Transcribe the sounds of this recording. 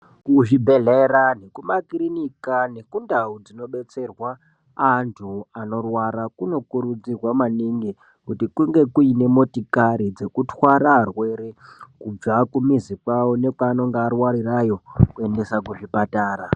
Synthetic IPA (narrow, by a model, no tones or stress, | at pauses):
kuʐibʱe̞ɮeɾane̞kumakirinikane̞kundaud͡zino̞ɓe̞t͡se̞rwaː | ntʰuano̞rwaɾakuno̞kuɾud͡zirwamaniŋɡi | kutikuŋɡe̞kuine̞mo̞tikaɾid͡ze̞kutwaɾarwe̞ɾekub͡vakumizikwawo̞ne̞kwaːno̞ŋɡeːrwaɾirajo̞kue̞nde̞sakuʐipataːra